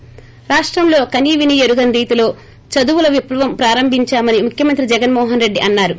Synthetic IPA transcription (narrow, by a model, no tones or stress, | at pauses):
ɾaːʂʈɾɐmlo̞ːkɐniːʋinijeɾuɡɐnɾiːt̪ilo̞ː | t͡ʃɐd̪uʋulɐʋipɾɐʋɐmpɾaːɾɐmbʱiɲt͡ʃaːmɐnimukʰjɐmɐnt̪ɾid͡ʒɛɡɐnmɔːɦɐnɾe̞ɖːiʔɐnːaːɾu